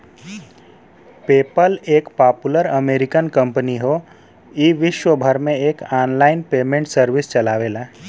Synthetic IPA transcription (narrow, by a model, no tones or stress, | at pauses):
peːpəleːkpaːpuləɾəmeːɾɪkənkə̃mpəniɦo | iːʋɪʃwəbʱəɾmẽeːkaːnlaːɪnpeːmẽːɳʈsəɾʋɪst͡ʃəlaːʋeːla